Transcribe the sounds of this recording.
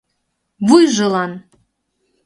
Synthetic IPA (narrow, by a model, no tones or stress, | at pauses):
βujʒɤ̆lɑn